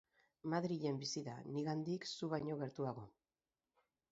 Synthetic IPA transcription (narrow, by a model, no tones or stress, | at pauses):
maðɾiʎe̞mbisiða̰niɣand̪iksuβajɲo̞ɣe̞ɾt̪uaɣo̞